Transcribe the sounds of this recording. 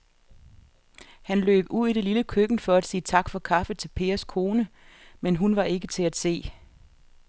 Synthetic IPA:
hænlø̰ːb̥uð̰ˠiɾ̥e̝liləkʰøɡ̥n̩fɒ̽æd̥siːt͡sʰɑ̈ɡ̥fɒ̽kʰɑ̈fət͡sʰe̝lpʰe̝̰ːɐskʰo̝ːnə | menɦunʋɑ̈e̝ɡ̥ət͡sʰe̝æd̥se̝̰ː

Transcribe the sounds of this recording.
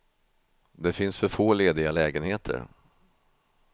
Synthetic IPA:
d̪ɛfɪnsfœɾfoːleːd̪ɪɡalɛːɡənheːt̪ʰə̰ɾ

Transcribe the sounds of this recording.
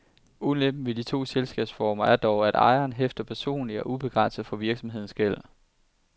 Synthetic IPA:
uleb̥̚n̩ʋe̝d̥it͡sʰo̝̰ːselsɡ̥ɛ̰ːb̥sfɒːmɐæɐd̥ɒʊæɾ̥ɑ̰̈ɪɐːnɦefd̥ɐpʰæɐso̝̰ːnliɒʔub̥e̝ɡ̥ʁɑ̈n̰səð̩ˠfɒ̽ʋiɐɡ̥sɒ̽mɦe̝ð̞̰ˠn̩sɡ̥el̰

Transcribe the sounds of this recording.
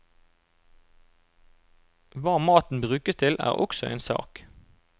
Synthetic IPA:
ʋɑːmɑːt̪n̩bʁʉːkəst̪ʰɪlʔæ̰ːʁɔ̰ksɔḛːnsɑ̰ːk

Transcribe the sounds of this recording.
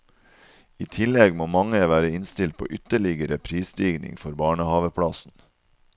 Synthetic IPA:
iːt̪ʰɪlɛɡmoːmɑŋəʋæːɾəɪnst̪ɪlt̪̚pʰo̰ːʔʏt̪əɭɪɡəɾəpʰɾiːsd̪iːɡnɪ̰ŋfɔɾbɑːɳəhɑːʋəpʰɽɑsn̩

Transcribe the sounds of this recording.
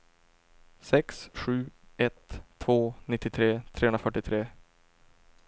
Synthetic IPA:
sɛksɧʉ̟ːɛt̪ʰːvoːnɪt̪ːɪt̪ʰɾeːt̪ʰɾeːɵnɾafœʈːɪt̪ʰɾeː

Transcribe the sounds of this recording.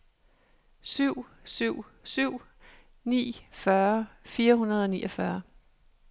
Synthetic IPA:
syʊ̰syʊ̰ | syʊ̰ | nḭːfɶɐfiːɐɦunɐð̞̩ˠɒ̽nḭːʔʌfɶɐ

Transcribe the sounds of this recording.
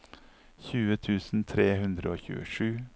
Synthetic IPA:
çʉːət̪ʰʉːsn̩t̪ʰɾeːhʉnd̪ɾəoːçʉ̰ːə̰ʂʉː

